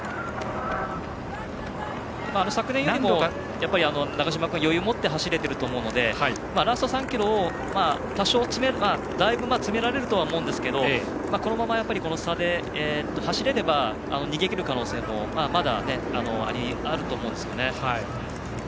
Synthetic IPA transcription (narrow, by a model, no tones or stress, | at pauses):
maːnosakɯnẽjoɾʲimo | japːaɾʲiano̞naɡaɕ̬imakɯ̟̃jo̞jɯ̟ːmo̞t̪ːe̞ɦaɕiɾe̞t̪e̞ɾɯ̟t̪o̞ːmoɯ̟nod̪e̞a | maɾast̪o̞sãŋkʲiɾo̞ː | ma | t̪aɕo̞ːt͡sɨmeɾma | d̪aibɯ̟mat͡sɨme̞ɾaɾe̞ɾɯt̪o̞βaomo̞ɯ̟̃nd̪esɨ̥ke̞d̪o̞mako̞no̞mamajapːaɾʲiko̞no̞sad̪e̞ | et̪ːo̞haɕiɾe̞ɾe̞ba | a̰no̞ɲ̟iɡe̞kʲiɾɯ̟kano̞ːse̞ːmo̞mamad̪a̰ne̞ano̞a̰ɾʲiaɾɯ̟t̪o̞ːmo̞ɯ̃nd̪e̞sɨjo̞ne̞hai